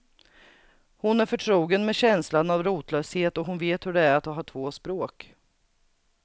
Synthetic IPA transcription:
hʊnæɾfœʈʰɾuːɡənmɛɕɛnslanavɾuːt̪lœːsheːt̪ɔɦʊnveːt̪hɵɖɛæɾat̪d̪ɔɦɑːʈʰvoːspɾoːk

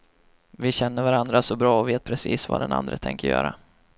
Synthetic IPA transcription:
vɪɕɛnːəɾvaɾand̪ɾasɔbɾɑːɔveːt̪̚pʰɾɛsiːsva̰d̪ɛna̰nd̪ɾət̪ʰɛŋkəɾjœ̰ːɾʔa

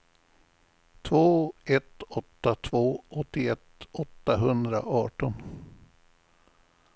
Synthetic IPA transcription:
t̪ʰvoːɛt̪ɔt̪ːat̪ʰvoːɔt̪ːɪɛt̪ɔt̪ːaɦɵnd̪ɾa̰ʔɑːʈɔn

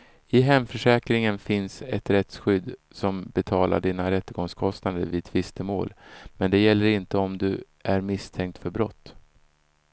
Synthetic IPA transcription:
ɪɦɛmfœʂɛːkɾɪŋənfɪnsɛt̪ɾɛt̪sɧʏd̪ː | sɔmbɛt̪ʰɑːla̰ɖiːnaɾɛt̪ːəɡɔŋskʰɔst̪nad̪əɾvid̪ʰvɪst̪əmoːlmɛnd̪ɛjɛlːəɾɪnt̪əɔmd̪ɵ | ʔæɾmɪst̪ʰɛŋkt̪fœɾbɾɔt̪ː

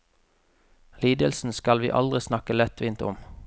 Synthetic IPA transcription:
liːd̪əlsn̩skɑlʋḭːʔɑ̰ld̪ʁɪsnɑkəlɛt̪ʰʋɪnt̪ʊ̰m

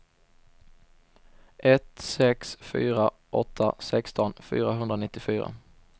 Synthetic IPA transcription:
ʔɛt̪sɛksfy̰ːɾa | ʔɔt̪ʰːasɛkst̪ɔnfy̰ːɾaɦɵnd̪ɾanɪt̪ːɪfyːɾa̰

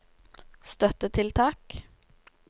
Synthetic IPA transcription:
st̪œt̪ət̪ʰɪlt̪ʰɑːk

